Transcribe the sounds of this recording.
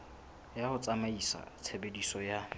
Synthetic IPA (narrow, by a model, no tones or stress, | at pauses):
jahʊt͡sʼamaisa̰t͡sʰebedisɔja